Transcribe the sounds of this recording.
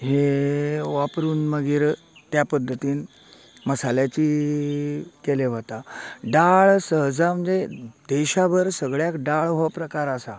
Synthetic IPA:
ɦe | ʋapɾuːnməɡiːɾ | t̪japəd̪ʱːət̪iːn | məsaljat͡ɕiː | keleʋ̤ət̪aɖaɭsəɦd͡zam̤əɲd͡zed̪̥eɕaʋəɾsəɡɭjakɖaɭɦopɾəkaɾasa

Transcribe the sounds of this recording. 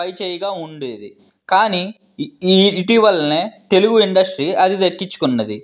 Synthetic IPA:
ɐjt͡ʃɛːjɐɡaːuɳɖeːd̪i | kaːni | ʈiʋɐlːɐneːt̪e̞luɡuiɳɖɐsʈɾiːɐd̪id̪ɐkːiɲt͡ʃːu̥kunːɐd̪i

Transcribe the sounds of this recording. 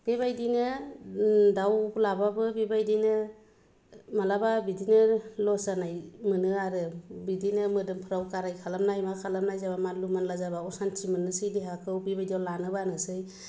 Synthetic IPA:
b̥ebajdinɯ | dawlababɯbibajdinɯ | malababidinɯlɔsanajmɯnɯaɾɯbidinɯmɯdɯmpʰɯɾawkaɾajkʰalamnajmakʰalamnajzaβamalumanlazabaɔsantʰimɯnɯsɯjdeɦakʰɯwbibajdiawlanɯbanɯsɯj

